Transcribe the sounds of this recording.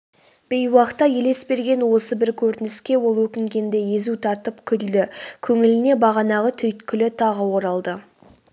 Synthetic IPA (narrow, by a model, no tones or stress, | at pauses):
b̥e̞jwɑqt̪ːɑje̞le̞sbe̞ɾɡʲe̞nwo̞səbɪɾkʲʰɵɾt̪ɪnɪskʲe̞wo̞lˠwɵkʲɪŋɡʲe̞nd̪e̞je̞zut̪ʰɑɾt̪əpkʲʰʏld̪ɪkʲʰɵŋɪlɪne̞bɑʁɑnɑʁət̪ʰʏjt̪kʲʰʏlɪt̪ʰɑʁəwo̞ɾɑlˠd̪ə